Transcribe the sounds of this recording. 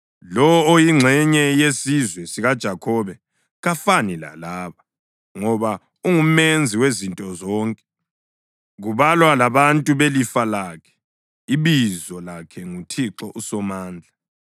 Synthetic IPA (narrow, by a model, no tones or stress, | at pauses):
lɔːjiŋ͡ǁʱɛɲɛjesizwɛsiɣad̥ʒ̥ʱakʰɔβɛ | ɣafanila̰laːβa | ŋɔβa | uŋumend͡zʱiwezintʼɔzɔːŋkʼɛ̥ | ɣuβalwalaβantʼuβelifalaːkʰɛ̥ | iβizɔlakʰɛŋutʰiǁɔʔusɔmaːnd͡ɮʱa